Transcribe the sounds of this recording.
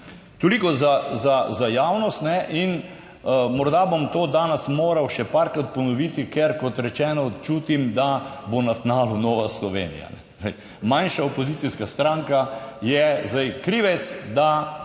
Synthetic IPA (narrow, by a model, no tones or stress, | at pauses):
t̪olikɔzazazajaːwnɔst̪nɛʔin | mɔɾd̪abomt̪oːd̪aːnɛsmoːɾawʃɛpaɾkɾat̪̚pɔnɔʋiːt̪ikɛɾkɔt̪ɾɛt͡ʃɛːnɔt͡ʃuːt̪imd̪abonat̪naːlunɔːʋaslɔʋḛːnḭja̰nɛ̰ | ɛɪ | manʃaɔpɔziːt̪siskast̪ɾãŋkajɛzd̪ajkɾiːʋɛt̪sd̪a